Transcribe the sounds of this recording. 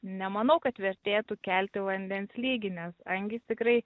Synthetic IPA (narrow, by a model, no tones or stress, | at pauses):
nʲɛmɐnɐʊkɐt̪ʋʲɛɾʲt̪ʲeːt̪ukʲælʲt̪ʲɪʋɐnʲd̪ʲɛnsʲlʲiːɡʲɪnʲɛsɐŋʲɡʲɪt̪ʲɪkɾɐɪ